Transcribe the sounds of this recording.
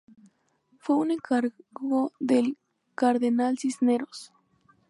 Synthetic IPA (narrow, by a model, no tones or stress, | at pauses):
fweuneŋkaɾɡoðel | kaɾðenalsisneɾos